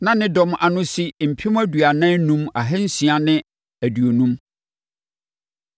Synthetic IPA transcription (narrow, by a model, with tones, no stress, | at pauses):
nã˦nɪ̃˦dɔ̃˨mʔa˨nʊ̃˦si˦m̩˨pʰĩ˦m˦æ˦du˨a˨nã˦nũ˦ma˨ɦɛ˦n̩˦si˨a˨nɪ̃˦ | æ˨du˨o˨nũ˦m